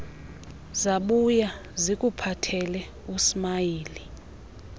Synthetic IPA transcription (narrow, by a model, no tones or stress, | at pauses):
zaɓuja | zik̬ʼupʰatʰɛlɛ | usmaiːli